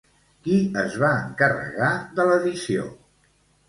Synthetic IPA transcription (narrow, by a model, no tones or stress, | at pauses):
kiəzβaəŋkərə̰ɣaðələðisio̰